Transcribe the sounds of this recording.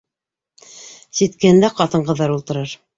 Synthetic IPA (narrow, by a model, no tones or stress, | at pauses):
sit̪kɘ̆hɘ̆nd̪æqɑt̪ɤ̆ɴɢɤ̆ðːɑɾulˠt̪ɤ̆ɾɤɾ